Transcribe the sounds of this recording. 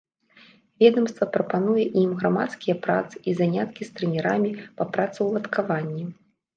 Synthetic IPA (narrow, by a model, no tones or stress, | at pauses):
vʲɛd̪ɐmst̪vɐpɾɐpanujɛʔimɣɾamat̪skʲijɐpɾa̰t̪sɨ̥ʔizanʲat̪kʲist̪ɾɨnʲɛɾamʲipɐpɾat̪sɨwlˠɐt̪kʰavanʲːi